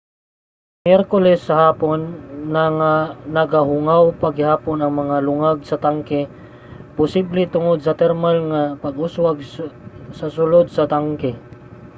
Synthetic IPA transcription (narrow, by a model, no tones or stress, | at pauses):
mjɛɾkolɛsːɐɦaːponːɐŋanɐɡaɦʊŋawpɐɡɪhaːponɐŋmɐŋalʊŋaɡsɐt̪aŋkɛ | pʊsiblɛt̪ʊŋod̪̚sɐt̪ɛɾmalŋapɐɡʊswaɡ̚ | sɐsʊlod̪̚sɐt̪aŋkɛ